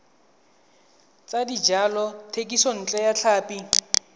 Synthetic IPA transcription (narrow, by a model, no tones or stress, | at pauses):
t͡sʼadid͡ʒalɔtʰekʼisɔn̩t͡ɬʼɛjat͡ɬʰaːpʼi